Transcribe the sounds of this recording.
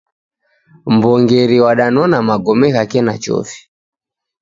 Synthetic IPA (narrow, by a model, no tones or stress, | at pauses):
mbɔŋɡɛɾiwaɗanɔnamaɡɔmɛɣakɛnat͡ʃɔ̰fi̥